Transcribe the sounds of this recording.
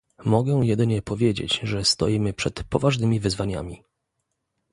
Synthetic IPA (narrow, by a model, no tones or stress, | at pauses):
mɔɡɛ̃jɛd̪ɘɲɛpɔvʲjed͡ʑḛt͡ɕʐɛst̪ɔjimɘpʂɛt̪pɔvaʐnɘmʲivɘzvaɲa̰mʲi